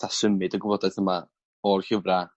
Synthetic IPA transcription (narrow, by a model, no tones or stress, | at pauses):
asəmɨdəɡwəvɔdajθəma | ɔrçəvra